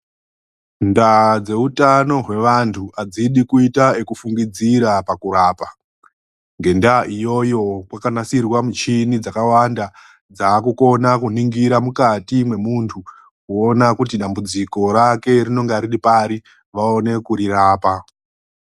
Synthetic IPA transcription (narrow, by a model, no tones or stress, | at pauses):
ndad͡ze̞utano̞ɦwe̞ʋantʰuʔad͡ziɗikuitaekufuŋɡid͡ziɾapakuraːpa | ŋɡe̞ndaʔijo̞jo̞kwakanasirwamut͡ʃinid͡zakawanda | d͡zaːkuko̞nakuniŋɡiɾamukatimwe̞muntʰu | kuo̞nakutiɗambud͡ziko̞ɾake̞rino̞ŋɡeaɾiɗipaɾi | ʋaone̞kuɾiraːpa